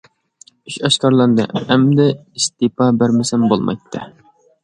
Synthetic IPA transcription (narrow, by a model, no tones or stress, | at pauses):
yʃɑʃkɑɾlˠɑnd̪ɨ̰æmd̪ɛist̪ipɑbæɾmɪsɛmbolˠmʔɑ̰jt̪ʰːɨ̰